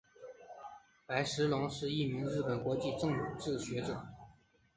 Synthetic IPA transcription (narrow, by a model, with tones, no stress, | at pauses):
pa˧˥ɪʂɻ̩˧˥lʊ˧˥ŋʂɻ̩˥˧i˥˩mi˧˥ŋɻɻ̩˥˩pə˨˩nkwɔ˧˥t͡ɕi˥˧ʈ͡ʂɤ˥˩˧ŋu˨˩˦ʈ͡ʂɻ̩˥˩ɕɥɛ˧˥ʈ͡ʂɤ˨˩˦